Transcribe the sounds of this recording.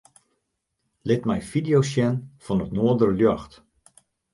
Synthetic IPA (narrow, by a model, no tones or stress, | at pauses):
lɪtmɛjfidijosjɛnfɔnətnoədəɾəljɔxt